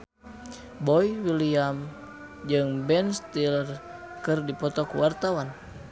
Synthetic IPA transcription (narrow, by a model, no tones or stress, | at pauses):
bɔjwiliam | d͡ʒɨŋbɛnst̪ilr | kɨrdipɔt̪ɔkuwart̪awan